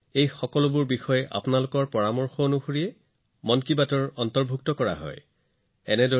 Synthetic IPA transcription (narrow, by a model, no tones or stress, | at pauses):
ejxɔkɔlʊbʊɹbixɔjɛʔa̰pʊnalʊkɔɹpɔɹamɔɹxonuxuɹijɛ | mɔnkibatɔɹɔntɔɹbʱuk̚tɔkɔɹa̰ɦɔ̰j | ɛnɛdɔ